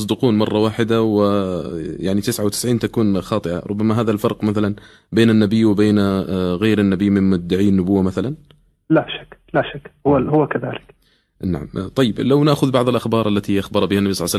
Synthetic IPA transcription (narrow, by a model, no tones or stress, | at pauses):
s̬ˤd̪ɪquːnmɑrˤːɑwaːħɪd̪awɪ | jaʕnit̪ɪsʕawt̪ɪ̥sʕiːnt̪akuːnxɑːt̪ˤɨʔa̰ɾˤʊbːamaɦaːðalfɑɾˤqmaθalan | beːnanːabɪjːwɪbeːnɣaːɾanːabiːmɪnmʊd̪ːaʕiːnːʊbʊwːamaθalan | laʃḁkːlaʃakːhʊahʊwːakaða̰ːlɪk | naʕamt̪ˤɑjːɪblawnaʔxʊðbɑʕðˤɪlʔaxbɑːɾˤalːat̪iʔaxbɑɾˤbɪhanːabisˤɑlːsalː